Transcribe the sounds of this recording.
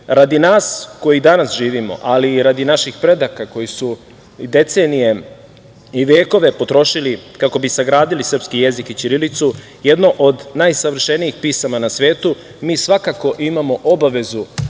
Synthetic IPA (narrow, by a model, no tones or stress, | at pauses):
ɾad̪inaːsko̞jid̪anasʒiːʋimo̞̰ʔaliːɾad̪inaʃixpɾe̞d̪akako̞jisu | d̪e̞t̪se̞ːnije̞ | iʋjeːko̞ʋe̞po̞t̪ɾo̞ʃilikako̞bisaɡɾaːd̪ilisr̩pskije̞zikit͡ʃiɾilit̪su | jed̪no̞ʔod̪najsaʋr̩ʃe̞niixpiːsamanasʋe̞ːt̪u | miːsʋakako̞ʔimamo̞ʔo̞baʋe̞zu